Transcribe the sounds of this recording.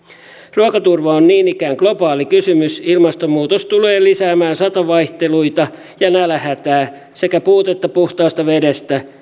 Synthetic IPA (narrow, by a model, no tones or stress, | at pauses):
ruokɑt̪urʋɑonniːnikæːŋɡ̥lo̞bɑːlikysymysilmɑst̪omːuːt̪ost̪uleːlisæːmæːnsɑt̪ɑʋɑjht̪eluit̪ɑ | jɑnælæhæt̪æː | se̞kæpuːt̪et̪ːɑpuht̪ɑːst̪ɑʋedest̪æ